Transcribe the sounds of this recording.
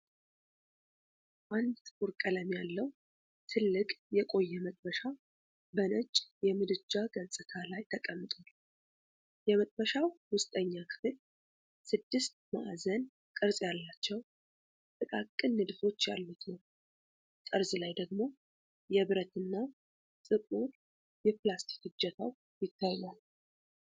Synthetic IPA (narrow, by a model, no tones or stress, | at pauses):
ʔand̪uɾkʼələmjalːəw | t̪ʰɨlːɨkʼjɛkʼo̞jːɛmət̪ʼbəʃa | bənət͡ʃʼːjɛmɨd̪ɨd͡ʒaɡəsʼɨt̪ʰalajt̪ʰəkʼəmːɨt̪ʼal | jɛmət̪ʼbəʃawwʊst̪ʼəɲːakʰɨ̥fɨl | sɨd̪ːɨst̪ma̰ʔazən | kʼɨɾsʼjalːat͡ʃːɛw | t̪ʼɨkʼakʼːɨnːɨd̪ɨfo̞t͡ʃːja̰lːut̪nəw | t̪ʼəɾzɨlajd̪əɡmo̞ | jɛβɾət̪ɨnːa | sʼɨkʼuɾ | jɛplast̪ʰi̥khɨd͡ʒːɛt̪ʰaw | jɪt̪ʰːajmal